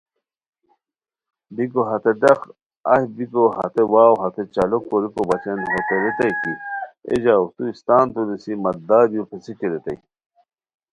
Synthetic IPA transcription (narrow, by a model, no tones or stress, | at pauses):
bikoɦɐt̪eɖɐk | ɐ̰hbikohɐ̰t̪ewaːwɦɐt̪et͡ɕɐlokːoɾikobɐt͡ɕenɦot̪eɾet̪ɐjkiḛd͡ʑaut̪uist̪aːnt̪ud̪esimɐt̪̚d̪aːd̪ijupʰesikeɾet̪ɐj